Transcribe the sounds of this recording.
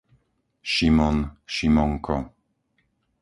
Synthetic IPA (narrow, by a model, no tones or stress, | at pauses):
ʃimɔnɕimɔŋkɔ